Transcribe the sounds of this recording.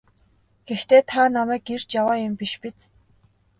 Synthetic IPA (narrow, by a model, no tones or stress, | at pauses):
ɡ̥ext̪eːt̪ʰanamæːɡir̥t͡ɕjawaːjʊmpiʃpit͡s